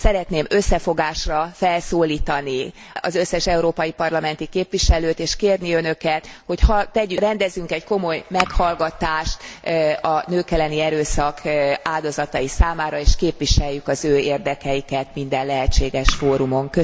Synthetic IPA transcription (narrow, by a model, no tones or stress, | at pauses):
sɛɾɛt̪neːmø̞sːɛfo̞ɡaːʃrɒfɛlsoːliːt̪ɒni | ɒ̰zø̞sːɛʃɛuɾoːpɒjipɒrlɒmɛn̪t̪ikeːpʋiʃɛløːt̪eːʃkeːrniø̞nø̞kɛt̪ho̞chɒt̪ɛɟyrɛnd̪ɛzyŋkɛɟko̞mo̞jmɛkhɒlɡɒt̪aːʃt̪ɒnøːkɛlːɛniɛɾøːsɒkaːld̪o̞zɒt̪ɒjisaːmaːɾɒeːʃkeːpʋiʃɛjːykɒzøːeːrd̪ɛkɛjikɛt̪mind̪ɛllɛɦɛt͡ʃːeːɡɛʃfoːɾumo̞ŋkø